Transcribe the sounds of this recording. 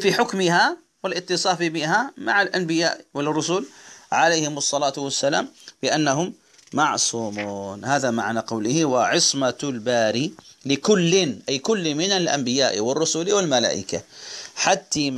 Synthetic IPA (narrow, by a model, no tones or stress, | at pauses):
fiħʊkmɪha | wɪlʔɪt̪ːɨsˤɑːfibɪɦamaʕalʔanbɪja̰ːʔwɪlrˤːʊsʊlʕalejhɪmɑsˤːɑlaːt̪ʊwasːala̰ːmbɪʔanːaɦʊmː | ɑʕsˤuːmuːnhaːðamaʕnaqɑwlɪhɪwaʕɪsˤmalbaːɾilɪkʊlːɪnʔajkʊlːmɪnalʔa̰mbɪjaːʔwɪrˤːʊsʊlwɪlmala̰ːʔɪ̰kaħat̪ːi